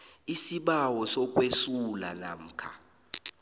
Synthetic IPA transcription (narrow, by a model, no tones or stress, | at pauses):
isiɓawɔsɔk̬ʼwesula̰na̰m̩ːkʰa̰